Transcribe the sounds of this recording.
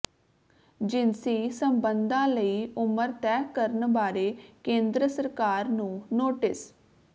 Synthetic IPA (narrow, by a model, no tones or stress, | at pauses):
d͡ʒɪnsiːsəmbənd̪ãːləiːʔʊməɾt̪ɛːkəɾənbaːɾeːkẽːnd̪ɾəsəɾkaːɾnũːnoːʈɪs